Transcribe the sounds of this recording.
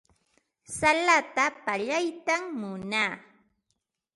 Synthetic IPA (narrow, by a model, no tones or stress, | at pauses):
salat̪apaʎajt̪ammʊnaː